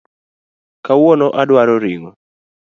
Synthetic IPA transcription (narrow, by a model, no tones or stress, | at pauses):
kawɔnɔʔadwaɾɔɾiŋɔ